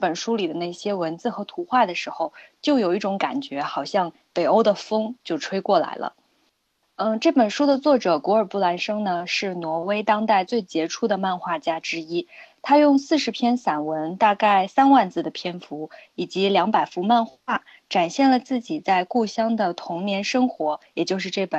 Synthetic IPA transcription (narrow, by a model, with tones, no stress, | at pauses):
pə˨˩nʂu˥li˨˩d̪ə˦ne˥˩ɪɕjɛ˥wə˧˥nt͡sɹ̩˥˩xɤ˧˥t̪ʰu˧˥xwa˥˩d̪ə˩ʂɻ̩˧˥xo˧ʊt͡ɕjo˥˩ʊjo˨˩ʊi˥˩ʈ͡ʂʊ˧˥ŋka̰˨˩nt͡ɕɥɛ˧˥xɑ˨˩ʊɕjɑ˥˩ŋ | pe˨˩ɪo˥ʊd̪ə˨fɤ˥ŋt͡ɕjo˥˩ʊʈ͡ʂʰwe˥ɪkwɔ˥˩la̰˧˥ɪlə̰˧ | ə˥˧˩ʈ͡ʂɤ˥˩pə˨˩nʂu˥d̪ə˨t͡swɔ˥˩ʈ͡ʂɤ˨˩kwɔ˧˥ə˞˨˩pu˥˩la˧˥nʂɤ˥ŋnə˨ʂɻ̩˥˩nwɔ˧˥we˥ɪt̪ɑ˥ŋt̪a˥˧ɪt͡swe˥˩ɪt͡ɕjɛ˧˥ʈ͡ʂʰu˥d̪ə˨ma˥˧nxwa˥˩t͡ɕja˥ʈ͡ʂɻ̩˥i˥t̪ʰa˥jʊ˥˧ŋsɹ̩˥˩ʂɻ̩˧˥pʰjɛ˥nsa˨˩nwə˧˥nt̪a˥˧ka˥˩ɪsa˥nwa˥˧nt͡sɹ̩˥˩d̪ə˩pʰjɛ˥nfu˧˥i˨˩t͡ɕi˧˥ljɑ˧˥ŋpa˨˩ɪfu˧˥ma˥˧nxwa˥˩ | ʈ͡ʂa˨˩nɕjɛ˥˩nlə˩t͡sɹ̩˥˩t͡ɕi˨˩t͡sa˥˧ɪku˥˩ɕjɑ˥ŋd̪ə˨t̪ʰʊ˧˥ŋnjɛ˧˥nʂɤ˥ŋxwɔ˧˥jɛ˨˩t͡ɕjo˥˧ʊʂɻ̩˥˧ʈ͡ʂɤ˥˩pə˨˩n